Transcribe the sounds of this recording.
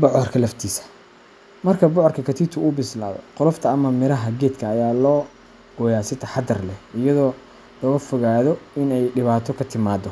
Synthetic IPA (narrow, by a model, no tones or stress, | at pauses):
bɔʕɔrkʰɐlɐft̪ʰiːsɐ̥ | mɐrkʰɐbɔʕɔrkʰɐkʰɐt̪ʰiːt̪ʰʊʊbɪsla̰ːðɔ̰qʊlɔft̪ʰɐːmɐmɪɾɐɦɐɡɛːd̪kʰɐːjaːlɔː | ɡ̥ɔjaːsɪt̪ʰɐħɑd̪ɐrlɛɪjɐðɔː | lɔːɣɐfɔɣaːðɔɪnɛjɖɪβaːt̪ʰɔkʰɐt̪ʰɪmaːd̪ɔ